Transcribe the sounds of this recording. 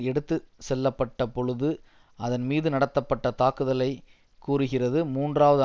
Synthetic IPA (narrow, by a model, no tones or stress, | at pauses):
ɛɽɯt̪ːɯsɛlːɐpːɐʈːɐpɔɻɯðɯ | ʔɐðɐnmiːðɯnɐɽɐt̪ːɐpːɐʈːɐt̪aːkɯðɐlɐɪ | kːuːrɯɣɪrɐðɯmuːndraːʋɐðɯ